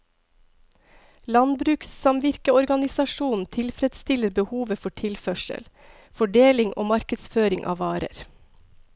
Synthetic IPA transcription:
lɑnbɾʉːkssɑmʋɪɾkəɔɾɡɑnɪsɑʃuːn̩t̪ʰɪlfɾɛd̪st̪ɪləɾbəhuːʋəfɔʈʰɪlfœʃə̰l | fɔɖeːlɪŋʔo̰ːmɑɾkəd̪sføːɾɪŋʔɑ̰ːʋɑːɾə̰ɾ

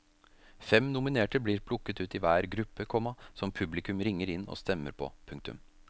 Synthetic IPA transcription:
fɛmnʊmɪneːʈəbliːɾpʰlʊkːət̪ʉːt̪ɪʋæːɾɡɾʉpːəkʰɔmːɑsɔmpʰʉblɪkʉmɾɪŋːəɾɪnːɔ̰ːst̪ɛmːə̰ɾpʰɔ̰pʰʉŋk̚t̪ʉ̰m

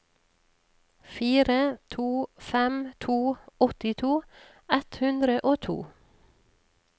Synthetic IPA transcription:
fiːɾət̪ʰuːfɛmt̪ʰuːɔt̪ɪt̪ʰuː | ɛt̪hʉnd̪ɾəʔoːt̪ʰṵː

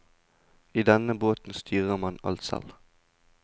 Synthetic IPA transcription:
iːd̪ɛnəboːt̪n̩st̪ʰyːʁəʁmɑnɑ̰lt̪sɛ̰l

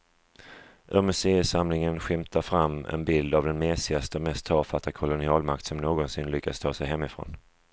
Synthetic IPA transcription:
ʔɵɾmɵseːəsamlɪŋənɧɪmt̪ʰaɾfɾamːɛ̰nbɪld̪avd̪ɛnmɛːsɪast̪əɔmɛst̪ʰɑːfat̪ːakʰʊlʊnɪɑːlmak̚t̪sɔmnoːɡɔnsɪnlʏkːast̪ʰɑːsɛjɦɛmːɪfɾo̰ːn

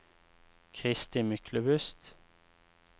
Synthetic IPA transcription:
kʰʁɪst̪ɪmʏkʰləbʉst̪

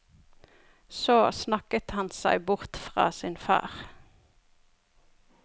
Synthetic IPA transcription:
soːsnɑkət̪hɑnsæɪbʊʁt̪fʁɑ̰ːsɪnfɑ̰ːʁ

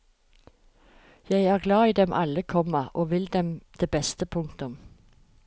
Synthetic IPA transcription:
jæɪæːʁɡlɑːiːd̪ɛmʔɑ̰ləkʰɔməʔoːʋɪld̪ɛmd̪̥eːbɛst̪əpʰʊŋt̪ʊm

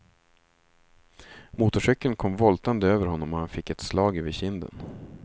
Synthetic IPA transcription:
muːt̪ʊʂœkːənkʰɔmvɔlt̪and̪əøːvəɾhɔnːɔmɔhanfɪkːɛt̪slɑːɡɛːvəɕɪnd̪ə̰n

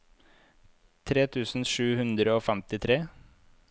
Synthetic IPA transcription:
t̪ʰɾeːt̪ʰʉːsn̩ʂʉːhʉnd̪ɾəoːfɛmt̪ɪt̪ʰɾeː

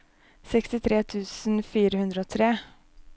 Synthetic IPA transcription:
sɛkst̪ɪt̪ʰɾeːt̪ʰʉːsn̩fiːɾəhʉnd̪ɾəoːt̪ʰɾeː

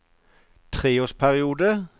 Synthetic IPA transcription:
t̪ʰʁeːʊspʰæʁɪuːd̪ə

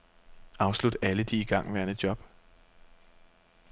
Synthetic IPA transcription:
ʔɑ̈ʊslud̥æləd̥iːɡ̥ɑ̈ŋ̰ʋæɐnəd̥jɒ̽b̥

